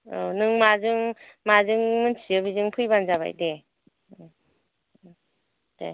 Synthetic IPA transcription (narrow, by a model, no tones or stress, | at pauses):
onɯŋmazɯŋmazɯŋmɯnsiɯbizɯŋpʰɯjbanzaβa̰jde | d̥e